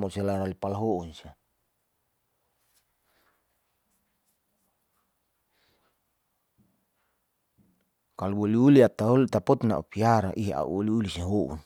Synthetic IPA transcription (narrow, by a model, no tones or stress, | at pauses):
moselaɾalipalaɦounsia | kaluwoliuliat̪aɦolut̪apɔt̪na̰ʔṵpiaɾa̰ʔiɦea̰ʔṵuliulisiɦoʔṵn